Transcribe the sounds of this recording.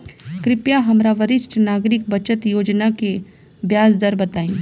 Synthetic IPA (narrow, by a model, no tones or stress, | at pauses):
kɾɪpjaɦɐmɾaʋəɾɪʃʈʰnaːɡɾɪk̚bət͡ʃət̪joːd͡ʒnake | bjaːsd̪əɾbɐt̪aːĩː